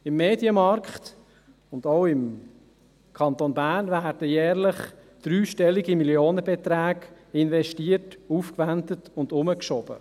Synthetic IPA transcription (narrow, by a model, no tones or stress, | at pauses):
ɪmːeːdjəmɑɾkχt̪ | ʊnd̪owɪm | kʰɑnt̪onbæːrnvæːrd̥əjɛːɾlɪχ | d̥ɾyːʃtɛliɡimiljoːnəbɛt̪ɾæːɡ | ɪnʋɛʃtiətuːfkʋændətʊnd̪ʊməkʃɔb̥ə̰